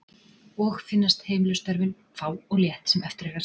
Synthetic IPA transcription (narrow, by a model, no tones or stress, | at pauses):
ɔxfɪnːast̪heːjmɪlʏst̪ɛɾvɪn | faːwɔɣljɛht̪sɛmɛft̪ɪɾɛɣa